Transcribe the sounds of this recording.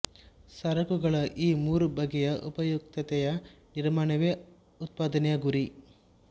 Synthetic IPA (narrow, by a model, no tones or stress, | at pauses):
sɐɾɐkuɡɐɭɐʔiːmuːɾubɐɡɛjɐʔṵpɐjuk̚t̪ɐt̪ɛjɐniɾmaːɳɐʋeː | ut̪̚paːd̪ɐnɛjɐɡuɾi